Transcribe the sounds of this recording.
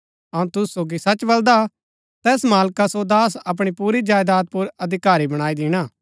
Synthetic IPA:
ɐũt̪ʊssoːɡisɐt͡ʃbɐld̪a | t̪ɛːsmaːlkasod̪aːs̬ɐp̬ɽ̃ipuːɾid͡ʒaːjd̪aːt̪̚pʊɾɐd̪ʱɪkaːɾibɐɽ̃aːid̪ɪːɽ̃aː

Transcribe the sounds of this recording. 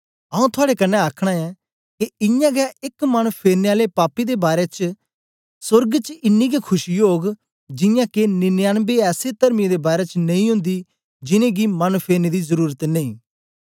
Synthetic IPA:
ɐũt̪ʰʊaːɽekɐnːɛaːkʰɽ̃aɛ | keɪjãɡaʔɪkmɐnpʰeːɾneaːlepaːpːid̪ebaːɾet͡ʃ | sʊɾɡt͡ʃɪnːiɡekʰʊʃijoːɡ | d͡ʒɪ̃jãkenɪnjaːnbeɛːset̪ɐɾmid̪ebaːɾet͡ʃnɐĩɦʊ̃nd̪i | d͡ʒɪnẽɡimɐnpʰeːɾned̪izəɾuːɾət̪nẽĩː

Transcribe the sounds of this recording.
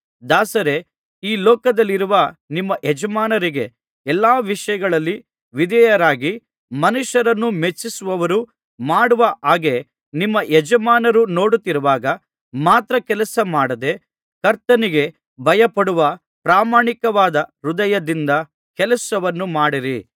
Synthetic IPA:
d̪aːsɐɾe̞ | iːlɔːkɐd̪ɐlːiɾuʋɐnimːɐʔɛd͡ʒɐmaːnɐɾiɡe̞ | ɛlːaːʋiʂɐjɐɡɐɭɐlːi | ʋid̪ɛjɐɾaːɡi | mɐnuʂɐɾɐnːumet͡ʃːisuʋɐʋɐɾu | maːɽuʋɐʔaːɡe̞ | nimːɐʔɛd͡ʒɐmaːnɐɾuno̞ːɽut̪ːiɾuʋaːɡɐ | maːt̪ɾɐkɛlɐsɐmaːɽɐd̪e̞ | kɐɾt̪ɐniɡe̞ | bʱɐjɐpɐɽuʋɐ | pɾaːmaːɳikɐʋaːd̪ɐɾud̪ɐjɐd̪ind̪ɐ | kɛlɐsɐʋɐnːumaːɽiɾi

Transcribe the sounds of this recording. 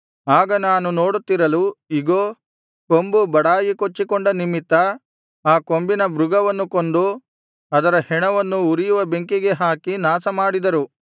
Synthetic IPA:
aːɡɐnaːnunoːɽut̪ːiɾɐluiɡoː | kombubɐɽaːjikot͡ʃːikoɳɖɐnimit̪ːɐ | aːko̞mbinɐbɾuɡɐʋɐnːukond̪u | ɐd̪ɐɾɐhɛɳɐʋɐnːuːɾijuʋɐbe̞ŋkiɡe̞ɦaːkinaːsɐmaːɽid̪ɐɾu

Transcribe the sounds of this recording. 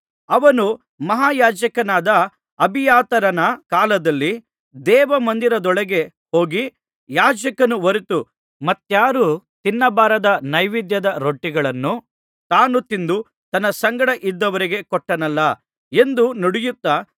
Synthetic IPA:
ɐʋɐnu | mɐɦaːjaːd͡ʒɐkɐnaːd̪ɐ | ɐbʱijaːt̪ɐɾɐnɐkaːlɐd̪ɐlːi | d̪ɛːʋɐmɐnd̪iɾɐd̪ɔɭɐɡe̞ | ho̞ːɡi | jaːd͡ʒɐkɐnuʋɐɾit̪u | mɐt̪ːjaːɾuːt̪inːɐbaːɾɐd̪ɐnɐjʋid̪jɐd̪ɐɾoʈːiɡɐɭɐnːu | t̪aːnut̪ind̪u | t̪ɐnːɐsɐŋɡɐɽɐʔid̪ːɐʋɐɾiɡe̞kɔʈːɐnɐlːɐ | e̞nd̪unoɽijut̪ːa

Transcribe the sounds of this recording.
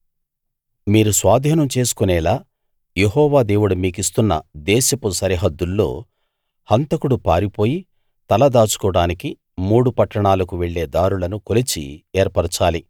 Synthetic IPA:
miːɾusʋaːd̪ʱiːnɐmt͡ʃe̞ːsu̥kunɛːlaː | jeɦɔːʋaːd̪e̞ːwuɽumiːkist̪unːɐ̰d̪ɛːʃɐpusɐɾiɦɐd̪ːulːo̞̰ː | hɐnt̪ɐkuɽupaːɾipo̞ːji | t̪ɐlɐd̪aːt͡ʃu̥kɔːɽaːniki | muːɽupɐʈːɐɳaːlɐkuʋeɭːe̞ːd̪aːɾulɐnukolit͡ʃḭeːɾpɐɾɐt͡ʃaːli

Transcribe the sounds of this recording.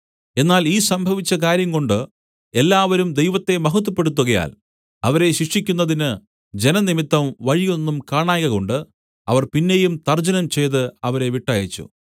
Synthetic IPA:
e̞nːaːliːsɐmbʱɐʋit͡ɕːɐkaːɾjɐŋko̞ɳɖɨ | e̞lːaːʋɐɾumd̪e̞jʋɐt̪ːe̞mɐɦɐt̪̬ːɐpːe̞ɽut̪ːuɣɐja̰ːl | ɐʋɐɾe̞ɕikʂikʲːunːɐðinɨ | d͡ʑe̞nɐnimit̪ːɐmʋɐɻijo̞nːumkaːɳaːjɣɐɣo̞ɳɖɨ | ɐʋɐrpinːe̞jumt̪ɐrd͡ʑɐnɐmt͡ɕe̞jt̪ɨɐʋɐɾe̞ʋiʈːaːjɐt͡ɕːṵ

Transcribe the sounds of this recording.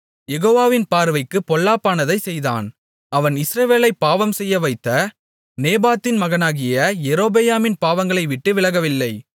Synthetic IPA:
jɛɣoːʋaːʋɪnpaːɾɯʋɐɪkːɯpːɔɭːaːpːaːnɐðɐɪsɛjða̰ːn | ɐʋɐnɪsɾɐʋeːlɐɪpːaːʋɐmsɛjːɐʋɐɪt̪ːɐ | neːbaːt̪ːɪnmɐɣɐnaːɣɪjɐjɛɾoːbejaːmɪnpaːʋɐŋɡɐɭɐɪʋɪʈːɯʋɪlɐɣɐʋɪlːɐɪ

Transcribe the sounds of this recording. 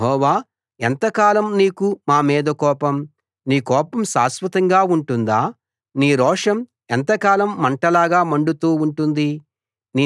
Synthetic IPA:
ɦɔːʋaː | ent̪ɐkaːlɐmniːkumaːmiːd̪ɐkɔːpɐm | niːkɔːpɐmʃaːsʋɐt̪ɐŋɡaːuɳʈund̪aː | niːɾɔːʂɐm | ɛnt̪ɐkaːlɐmːɐɳʈɐlaːɡaːmɐɳɖut̪uːuɳʈund̪i | niː

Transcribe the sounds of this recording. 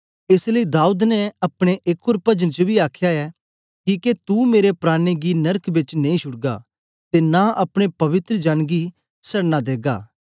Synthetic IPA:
ɪsləid̪aːuːd̪nɛɐpɽ̃eʔekʰːoːɾpɐd͡ʒəñt͡ʃəbʱiaːkʰjaɛː | kiːket̪umeːɾepɾaːñeɡinɐɾkʰbɪt͡ʃnẽĩʃʰʊɽɡa̰ | t̪enãʔɐpɽ̃epɐʋɪt̪ɾəd͡ʒaːnɡi | sɐɽnad̪eːɡa̰ː

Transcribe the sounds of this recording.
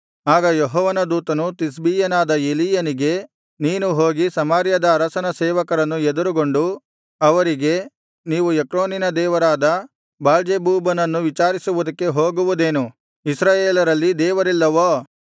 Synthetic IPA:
aːɡɐjoɦɔːʋɐnɐd̪uːt̪ɐnut̪is̬biːjɐnaːd̪ɐeliːjɐniɡe̞ | niːnuɦo̞ːɡisɐmaːɾjɐd̪ɐːɾɐsɐnɐsɛːʋɐkɐɾɐnːued̪uɾuɡo̞ɳɖu | ɐʋɐɾiɡe̞ | niːʋuekɾoːninɐd̪ɛːʋɐɾaːd̪ɐ | baːld͡ʒebuːbɐnɐnːuʋit͡ʃaːɾisuʋud̪ɐkːe̞ɦo̞ːɡuʋud̪e̞ːnu | isɾaːjeːlɐɾɐlːid̪ɛːʋɐɾilːɐʋoː

